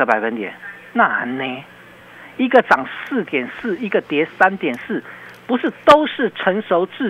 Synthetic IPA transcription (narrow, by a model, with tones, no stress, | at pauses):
ə˧˦˥pa˨˩ɪfə˦nt̪jɛ˨˩˦n | na˥˧˩ne˧˦ | i˧˥ɡə˨t͡sɑ˨˩ŋsɹ̩˥˨t̪jɛ˨˩nsɹ̩˥˩i˧˥ɡə˨t̪jɛ˨˧˥sa˦nt̪jɛ˨˩nsɹ̩˥˩pu˧˥ʂɻ̩˥˩t̪o˦ʊʂɻ̩˥˩ʈ͡ʂʰə˧˥ŋʂo˧˦ʊt͡sɻ̩˥˩